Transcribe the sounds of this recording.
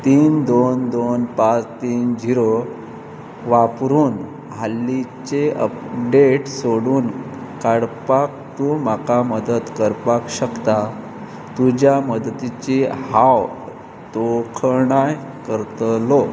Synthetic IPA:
t̪iːnd̪ond̪onpat͡st̪iːnd͡ʑiɾo | ʋapɾuːn | ɦalːit͡ɕeʔə̰pɖeʈsoɽuːnkaɽpak̚t̪umakaməd̪ət̪kəɾpakɕəkt̪a | t̪ud͡ʑjaməd̪t̪it͡ɕeɦaw | t̪okʰɳaj | kəɾt̪əlo

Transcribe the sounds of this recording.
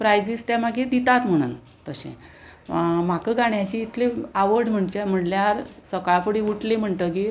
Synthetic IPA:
pɾajd͡ʑist̪amaɡid̪it̪at̪m̤əɽ̃ṵːn | t̪əɕḛ̃ | m̤akəɡaɳjat͡ɕiːt̪ʰleaʋəɾɽm̤əɳd͡ʑem̤əɳljaɾsəkaɭpəɽiuʈlem̤əɳʈ̪ək̬iː

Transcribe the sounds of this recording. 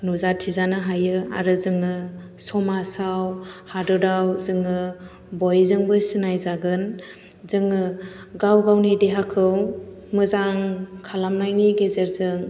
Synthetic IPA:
nuzatʰizanɯɦajɯa̰ɾɯzɯŋɯ | sɔmasawhadɯdawzɯŋɯ | bɔjzɯŋbɯsinajzaɡɯn | zɯŋɯ | ɡawɡawnideɦakʰɯw | mɯzaŋkʰalamnajniɡezeɾzɯŋ

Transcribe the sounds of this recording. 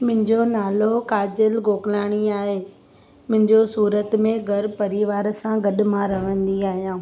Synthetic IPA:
mʊ̃ɦɪ̃ɲd͡ʑonaːlokaːd͡ʑəlɡoːklaːɽ̃iaːɦeː | mʊ̃ɦɪ̃ɲd͡ʑosuːɾət̪mẽɡʱɐɾpɐɾiʋaːɾsãɡɐɗmãɾɐʋə̃nd̪iaːɦjãː

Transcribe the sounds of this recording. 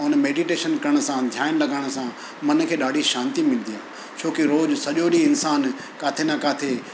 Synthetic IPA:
ʊnə̆meːɖiʈeːʃənkɐɾəɽ̃ʊsãd̪ʱjaːɪnlɐɡaːɽ̃ʊ̆sã | mɐnkʰeːɗaːɖʱiʃãːnt̪imɪ̃ln̆d̪ijãː | t͡ɕʰoːkiɾoːd͡ʑsɐʄoɗiɪnsaːn | kaːt̪ʰenakaːt̪ʰe

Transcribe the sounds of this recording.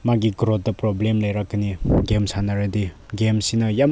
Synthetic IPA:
maɡiɡɾot̚dɐpɾɔblemlajɾakːniɡemsʰanaɾedi | ɡemsinʌjam

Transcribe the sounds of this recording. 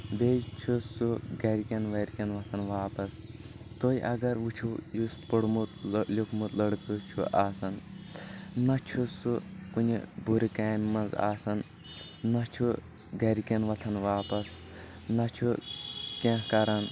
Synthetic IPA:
beːt͡ʃʰusuɡɐɾikʲɐnʋɐɾʲkʲɐnʋɐt̪ʰɐnʋaːpɐs | t̪oːiʔɐ̰ɡɐɾʋut͡ʃʰujuspuɽmut̪lʲukʰmut̪lɐɽkɨt͡ʃʰuʔaːsɐn | nɐt͡ʃʰusukunʲḭbuɾikaːmʲmɐnza̰ːsɐnː | ɐt͡ʃʰu | ɡɐɾkɐnʋɐt̪ʰɐnʋaːpɐs | nɐt͡ʃʰukʲẽkɐɾɐn

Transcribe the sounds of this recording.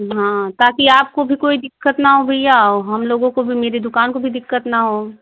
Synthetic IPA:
ɦãːt̪aːkiaːp̚kobʱikoːid̪ɪkːət̪naɦobʱijaoɦɐmloːɡõkobʱimeːɾed̪ʊkaːnkobʱid̪ɪkːət̪nɐɦoː

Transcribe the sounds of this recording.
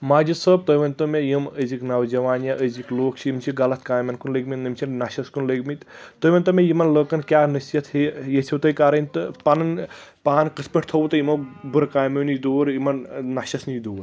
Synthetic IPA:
maːd͡ʒisəb̚t̪ɐʋɐnt̪ɐmejiməziknɐwd͡ʒɐʋaːnjɐʔəzikloːkt͡ʃʰijimt͡ʃʰiɡɐlɐt̪̚ʰkaːjmɐnkunləɡmit̪nɨmt͡ʃʰinnɐʃɐskunləɡmit̪t̪əʋɐnt̪ɐmejimɐnləːkɐnkʲaːnɨsjɐt̪ʰhejesʰʲiwt̪ɐjkaɾɐnʲt̪ɨpɐnɐnpaːnkəspɐʈ̚ʰt̪ʰɐwt̪ɐjimɐbuɾkaːjmɐnd̪oːɾimɐnnɐʃɐsnid̪oːɾ

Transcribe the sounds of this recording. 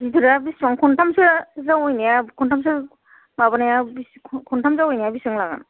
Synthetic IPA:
zidʰɯɾabisɾɔŋkʰɔntʰamsɯɾzawɔjnijakʰɔntʰams̬ɯ | baβanajabisʰkʰɔntʰamzawɔjnajabisɯŋlaɡa̰n

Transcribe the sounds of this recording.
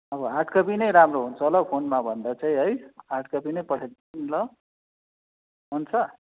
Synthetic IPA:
ʌbʌɦaʈʰkʌpinʌjɾamroɦunt͡sʰʌlʌɡpʰonmabʱʌnd̪at͡saĩɦʌjɦaʈkʌpinʌjpʌʈʰel | nlʌ | ɦunt͡sʰʌ

